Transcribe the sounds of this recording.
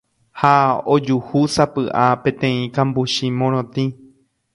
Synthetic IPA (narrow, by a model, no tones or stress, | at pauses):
haod͡ʒuhusapɨʔapẽ̞t̪ẽ̞ĩkãmbuʃimõɾ̃õt̪ĩ